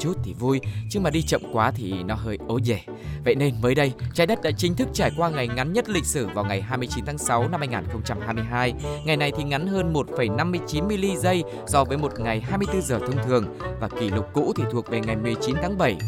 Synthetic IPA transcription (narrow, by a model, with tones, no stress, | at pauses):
t͡ɕu˦˥t̚t̪ʰi˨˩vu˧jt͡ɕɨ˧ŋmaː˨˩ɗi˧t͡ɕə̰˧˨mkwaː˨˦t̪ʰi˨˩nɔ˨˦ɦəː˧jʔo˨˦ze˧˩ | və̰˧˨jne˧nməː˨˦jɗə˧jt͡ɕaː˧˩jɗə˦˥t̚ɗa̰ː˧˥t͡ɕï˨˦ŋ̟t̪ʰɨ˦˥k̚t͡ɕaː˧˩jkwaː˧ŋa˨˩jŋa˨˦nɲə˦˥t̚lï˧˨k̟̚sɨ˧˩vaː˨˩wŋa˨˩jɦaː˧jmɨ˧əjt͡ɕi˨˦nt̪ʰaː˨˦ŋsa˨˦wna˧mha˧jŋaː˨˩nxə˧wŋ͡mt͡ɕa˧mhaː˧jmɨ˧əjɦaː˧jŋa˨˩jna˨˩jt̪ʰi˨˩ŋa˨˦nɦəː˧nmo˨˩t̚fə˧˩jna˧mːɨ˧əjt͡ɕi˨˦nmi˧li˧zə˧j | sɔ˧vəː˨˦jmo˨˩t̚ŋa˨˩jɦaː˧jmɨ˧əjt̪ɨ˧zəː˨˩t̪ʰə˧wŋ͡mt̪ʰɨ˨˩əŋvaː˨˩ki˧˩lʊ˨˩k͡p̚ːṵ˧˥t̪ʰi˨˩t̪ʰu˨˩ək̚ve˨˩ŋa˨˩jmɨ˨˩əjt͡ɕi˨˦nt̪ʰaː˨˦ŋɓə˧˩j